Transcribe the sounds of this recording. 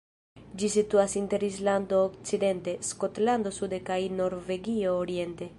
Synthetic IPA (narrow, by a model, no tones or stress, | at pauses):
d͡ʒisit̪uasint̪eɾizland̪oːkt͡sid̪ent̪eskot̪land̪osud̪ekainoɾveɡiooɾjent̪e